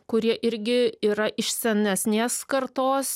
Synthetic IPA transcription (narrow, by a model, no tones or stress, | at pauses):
kʊɾʲiɛʔɪɾʲɡʲɪiːɾɐʔɪʃʲsʲɛnʲɛsʲnʲeːskɐɾt̪oːs